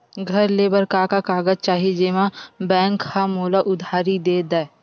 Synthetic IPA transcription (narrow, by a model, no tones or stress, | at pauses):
ɡʱɐɾleːbəɾkakakaːɡəd͡ʒt͡ʃaːɦid͡ʒeːmãbɛ̃ːŋkhamoːlaʔʊd̪ʱaːɾid̪eːd̪aː